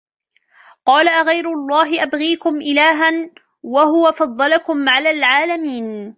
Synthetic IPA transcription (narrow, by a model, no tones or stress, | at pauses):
qɑːlaʔɣajɾʊlˤːɑːɦɪʔabɣiːkʊmʔɪlaːɦan | waɦʊwafɑðˤːɑlakʊmʕalaːlʕaːlamiːn